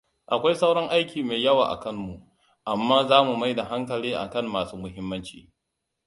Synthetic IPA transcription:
ʔa˨kʷa˦jsa˦wɽɐ˦ŋʔa˦jkʲiː˨meː˨jɐ˦wa̰ː˨ʔa̰˨kɐ˦mmu˨ʔ | ʔa˨mːaː˦zaː˦mu˨ma˦jda˨ɦa˦ŋkɐ˨liː˦ʔa̰˨kɐ˦˨mːaː˨suː˦mʊ˦ɦɪ˦mːɐ˦nt͡ʃḭː˨

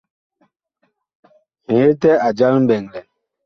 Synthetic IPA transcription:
e˦tɛ˦a˨d͡ʒa˦lm̩˦bɛ˨ŋlɛ˨

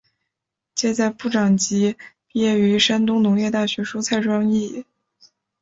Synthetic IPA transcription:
t͡ɕjɛ˥˧t͡sa˥˧ɪpu˥˩ʈ͡ʂɑ˨˩ŋt͡ɕi˧˥ | jɛ˥˩y˧˥ʂa˥nt̪ʊ˥ŋnʊ˧˥ŋjɛ˥˧t̪a˥˩ɕɥɛ˧˥ʂu˥t͡sʰa˥˩ɪʈ͡ʂwɑ˥ŋi˥˩

